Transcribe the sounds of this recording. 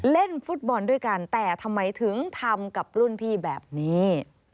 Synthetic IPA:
le˥˩nfu˦˥t̪̚bɔː˧ndu˥˩əjka˧nt̪ɛː˨˩t̪ʰa˧mːa˧jt̪ʰɯ˩˦ŋt̪ʰa˧mka˨˩p̚ɾu˥˩˨npʰiː˥˩bɛː˨˩p̚niː˦˥

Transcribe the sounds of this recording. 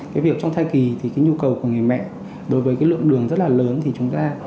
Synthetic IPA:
kaː˨˦jvi˨˩əp̚t͡ɕɔ˧ŋ͡mt̪ʰaː˧jki˨˩t̪ʰi˨˩kaː˨˦ɲu˧kə˨˩wku˧˩əŋɨ˨˩əjmɛ̰˧˨ | ɗo˨˦jvəː˨˦jkaː˨˦jlɨ̰˧˨əŋɗɨ˨˩əŋzə˦˥t̚laː˨˩ləː˨˦nt̪ʰi˨˩t͡ɕʊ˨˦ŋ͡mt̪aː˧

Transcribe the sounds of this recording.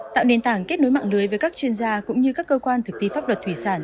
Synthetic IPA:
t̪a̰ː˧˨wne˨˩nt̪aː˧˩ŋke˦˥t̚no˨˦jma̰ː˧˨ŋlɨ˨˦jvəː˨˦jkaː˦˥k̚t͡ɕwi˧ənzaː˧kʊ̰˧˥ŋ͡mɲɨ˧kaː˦˥kːəː˧kwaː˧nt̪ʰɨ˨˩k̚t̪i˧faː˦˥p̚lə˨˩t̚t̪ʰwi˧˩saː˧˩n

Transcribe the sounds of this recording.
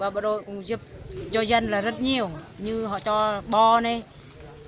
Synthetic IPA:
vaː˨˩ɓa˧˩ɗo˧˨jkʊ̰˧˨ŋ͡mzi˦˥p̚zɔ˧zə˧nlaː˨˩zə˦˥t̚ɲi˨˩əwɲɨ˧ɦɔ̰˧˨t͡ɕɔ˧ɓɔ˧ne˧˩

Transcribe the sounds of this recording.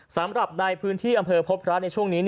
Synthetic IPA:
sa˩˦mɾa˨˩p̚naː˧jpʰɯː˦˥nt̪ʰiː˥˩ʔa˧mpʰɤː˧pʰo˦˥t̪̚ɾa˦˥t̪̚n˧jt͡ɕʰu˥˩əŋniː˦˥n

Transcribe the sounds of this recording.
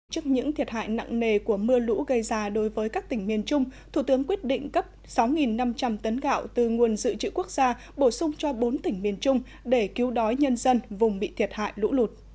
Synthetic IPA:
t͡ɕɨ˦˥k̚ɲɨ̰˧˥ŋt̪ʰi˨˩ət̚ha̰ː˧˨jna̰˧˨ŋne˨˩ku˧˩əmɨ˧əlṵ˧˥ɣə˧jzaː˧˩ɗo˨˦jvəː˨˦jkaː˦˥k̚t̪ï˧˩ŋ̟mi˨˩ənt͡ɕʊ˧ŋ͡mt̪ʰu˧˩t̪ɨ˨˦əŋkwi˦˥ət̚ɗḭ̈˧˨ŋ̟kə˦˥p̚ | sa˨˦wŋi˨˩nːa˧mt͡ɕa˧mt̪ə˨˦nɣa̰ː˧˨wt̪ɨ˨˩ŋu˨˩ənzɨ̰˧˨t͡ɕɨ̰˧˨ku˦˥ək̚z̥aː˧ | ɓo˧˩sʊ˧ŋ͡mt͡ɕɔ˧ɓo˨˦nt̪ï˧˩ŋ̟mi˨˩ənt͡ɕʊ˧ŋ͡m | ɗe˧˩ki˨˦wɗɔ˨˦jɲə˧nzə˧nvʊ˨˩ŋ͡mɓḭ˧˨t̪ʰi˨˩ət̚ha̰ː˧˨jlṵ˧˥lu˨˩t̚

